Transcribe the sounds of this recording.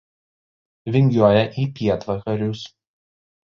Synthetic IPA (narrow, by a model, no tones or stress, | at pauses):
ʋʲɪŋʲɡʲuɔjɛʔiːpʲiɛt̪ʋɐkɐɾʲʊs